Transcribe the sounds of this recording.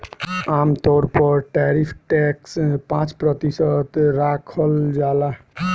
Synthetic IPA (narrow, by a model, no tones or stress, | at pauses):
amt̪ɔɾpɔɾʈɛɾipʰʈɛkspãt͡ʃpɾət̪isət̪ɾakʰəld͡ʒala